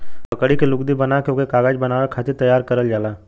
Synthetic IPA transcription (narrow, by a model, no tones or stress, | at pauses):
pəkɽikelʊkd̪ibənakjõːkekaːɡaːd͡ʒbənaːʋakʰaːt̪ʰit̪əjaːɾkəɾəld͡ʒaːlaː